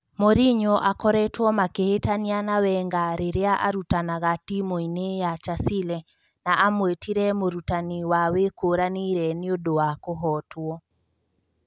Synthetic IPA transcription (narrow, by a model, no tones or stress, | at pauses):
moɾiɲɔʔakɔɾɛtwɔmakehetanianawɛŋɡaɾeɾeaʔa̰ɾutanaɣatimoinejat͡ʃasilɛ | naʔamwetiɾɛmoɾutaniwawekoɾaniɾɛneodowakoɦɔtwɔ